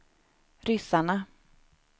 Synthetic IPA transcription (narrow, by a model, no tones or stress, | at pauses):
ɾʏsaɳa